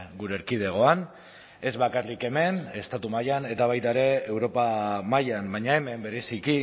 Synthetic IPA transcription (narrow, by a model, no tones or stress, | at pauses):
ɡuɾe̞ɾkið̞e̞ɣ̞o̞an | e̞zβakarlike̞me̞ne̞st̪at̪umajane̞t̪aβ̞ajt̪aeɾe̞ewɾo̞pamajambaɲae̞me̞mbe̞ɾe̞siki